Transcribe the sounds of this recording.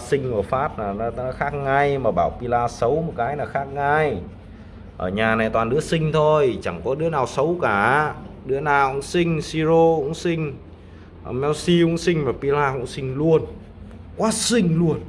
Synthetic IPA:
sï˧ŋ̟ʔəː˧˩faː˦˥t̚naː˨˩n˨˦˨xaː˦˥k̚ŋa˧jmaː˨˩ɓaː˧˩wpi˧laː˧sə˨˦wmo˨˩t̚kaː˨˦jnaː˨˩xaː˦˥k̚ŋa˧j | ʔəː˧˩ɲaː˨˩na˨˩jt̪waː˨˩nɗɨ˨˦əsï˧ŋ̟t̪ʰo˧jt͡ɕa˧˩ŋkɔ˨˦ɗɨ˨˦ənaː˨˩wsə˨˦wkaː˧˩ɗɨ˨˥ənaː˨˩wʔʊ̰˧˥ŋ͡msï˧ŋ̟si˧zo˧ʊ̰˧˥ŋ͡msi˧ŋ̟ | ʔə˧˩mɛ˧wsi˧kʊ̰˧˥ŋ͡msï˧ŋ̟maː˨˩pi˧laː˧kʊ̰˧˥ŋ͡msï˧ŋ̟lu˧ən | kwaː˨˦˥sï˧ŋ̟lu˧ən

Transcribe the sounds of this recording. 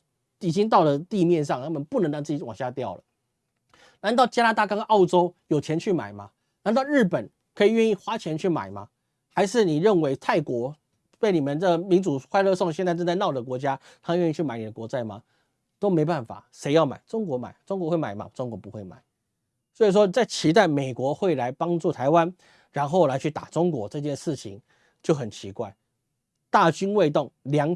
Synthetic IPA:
i˨˩t͡ɕi˥ŋt̪ɑ˥˩ʊlə˩t̪i˥˧mjɛ˥˧nʂɑ˥˨ŋt̪ʰa˥mə˨npu˥˩nə˧˥ŋlɑ˧˥ŋt͡sɹ̩˥˩t͡ɕi˧˥wɑ̰˨˩ŋɕja˥˧t̪jɑ˥˩ʊlə̰˩ | na˧˦nt̪ɑ˥˩ʊt͡ɕja˥na˥t̪a˥˩kɑ˥ŋ˦ɑ˥˩ʊʈ͡ʂo˥ʊjo˨˩ʊt͡ɕʰjɛ˧˥nt͡ɕʰy˥˩ma̰˨˩ɪma˦ | na˧˥nt̪ɑ˥˧ʊɻ̩˥˩pə˨˩n | kʰɤ˧˥i˨˩ɥɛ˥˧ni˥˩xwa˥t͡ɕʰjɛ˧˥nt͡ɕʰy˥˩ma̰˨˩ɪma̰˦ | xa˧˥ɪʂɻ̩˥˩ni˨˩ɻə˥˩nwe˧˥ɪt̪ʰa˥˩ɪkwɔ˧˥ | pe˥˩ɪni˨˩mə˦ntə˥ɡmi˧˥nt͡su˨˩xwa˥˧ɪlɤ˥˧so˥˧ŋɕɛ˥˧nt͡sa˥˧ɪʈ͡ʂə˥˧nt͡sa˥˧ɪnɑ˥˩ʊd̪ə˩k̬wɔ˧˥t͡ɕja˥t̪ʰa˥˧ɥɛ˥˧i˥˧t͡ɕʰy˥˩ma˨˩ɪni˨˩d̪ə˦kwɔ˧˥t͡sa˥˩ɪma̰˨ | t̪o˥ʊme˧˥ɪpa˥˩nfa̰˨˩ʂe˧˥ɪjɑ˥˩ʊma̰˨˩ɪʈ͡ʂʊ˥ŋkwɔ˧˥ma̰˨˩˦ɪʈ͡ʂŋkwɔ˧˦xwe˥˩ma˨˩ɪmɐ̰˦ʈ͡ʂŋkwɔ˧˥pu˧˦xwe˥˩ɪma̰˨˩˦ɪ | swɔ˧˥i˨˩ʂwɔ˦˥˩t͡sa˥˩ɪt͡ɕʰi˧˥t̪a˥˩ɪme˨˩ɪkwɔ˧˦xwe˥˩ɪla˧˥ɪpɑ˥ŋʈ͡ʂu˥˩t̪ʰa˧˥ɪwa˦n | ɻa˧˥nxo˥˩ʊla˧˥ɪt͡ɕʰy˥˩t̪a̰˨˩ʈ͡ʂʊ˥ŋkwɔ˧˥ʈ͡ʂɤ˥˧t͡ɕjɛ˥˧nʂɻ̩˥˩t͡ɕʰi˧˦ŋ | t͡ɕjo˥˩ʊxə˨˩nt͡ɕʰi˧˥kwa˥˩ɪ | t̪a˥˩t͡ɕy˥nwe˥˧ɪt̪ʊ˥˩ŋljɑ˧˥ŋ

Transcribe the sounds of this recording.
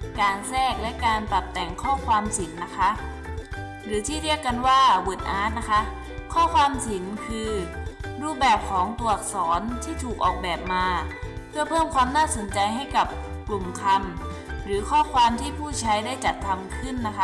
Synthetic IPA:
kaː˧nsɛː˥˩k̚lɛ˦˥ʔkaː˧npa˨˩t̪ːɛ˨˩ŋkʰɔː˥˩kʰwaː˧msi˩˦ŋna˦˥kʰa˦˥ʔ | ɾɯː˨˩˦t̪ʰiː˥˩ɾi˥˩əkːa˧nwaː˥˩wu˨˩t̪̚ʔaː˦˥t̪̚na˦˥kʰa˦˥ʔ | kʰɔː˥˩kʰwaː˧msi˩˦ŋkʰɯː˧ɾuː˥˩p̚bɛː˨˩p̚kʰɔː˩˦ŋt̪u˨˩ək̚sɔː˩˦nt̪ʰiː˥˩t̪ʰuː˨˩k̚ʔɔ̰ː˨˩k̚bɛː˨˩p̚maː˧pʰɯ˥˩ɐpʰɤː˥˩mkʰwaː˧mnaː˥˩so˩˦nt͡ɕa˧jɦa˥˩jka˨˩p̚ | klu˨˩mkʰa˧m | ɾɯː˩˦kʰɔː˥˩kʰwaː˧mt̪ʰiː˥˩pʰuː˥˩t͡ɕʰa˦˥jdaː˥˩jt͡ɕa˨˩t̪ʰːa˧mkʰɯ˥˩nːa˦˥kʰa˦˥

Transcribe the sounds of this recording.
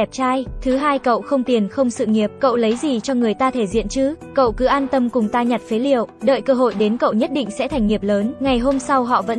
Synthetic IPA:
ɛ˨˩p̚t͡ɕaː˧jt̪ʰɨ˨˦ɦaː˧jkə̰˧˨wxə˧wŋ͡mt̪i˨˩ənxə˧wŋ͡msɨ̰˧˨ŋi˨˩əp̚kə̰˧˨wlə˨˦jzi˨˩t͡ɕɔ˧ŋɨ˨˩əjt̪aː˧t̪ʰe˧˩zḭ˧˨ənt͡ɕɨ˨˦˥kə̰˧˨wkɨ˨˦ʔaː˧nt̪ə˧mkʊ˨˩ŋ͡mt̪aː˧ɲa˨˩t̚fe˨˦lḭ˧˨əwɗə̰ː˧˨jkəː˧ɦo̰˧˨jɗe˨˦nkə̰˧˨wɲə˦˥t̚ɗḭ̈˧˨ŋ̟sɛ̰˧˥t̪ʰa˨˩jŋ̟ŋi˨˩əp̚ləː˨˦nŋa˨˩jɦo˧msa˧wɦɔ̰˧˨və̰˧˥

